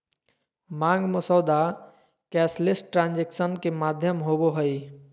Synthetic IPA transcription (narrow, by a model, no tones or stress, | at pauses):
mãːŋɡməsɔːd̪a | kɛːslɪsʈʈɾãːnd͡ʒekʃənkemaːd̪ʱjəmɦoboɦəi